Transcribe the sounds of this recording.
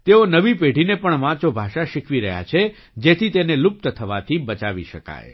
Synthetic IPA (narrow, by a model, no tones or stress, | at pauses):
t̪eonəʋipeɖʱinepəɳʋãt͡ʃobʱaʃaʃikʰʋiɾəɦja̰t͡ʃʰe | d͡ʒet̪ʰit̪enelup̚t̪ət̪ʰəʋat̪ʰibət͡ʃaʋiʃəka̰j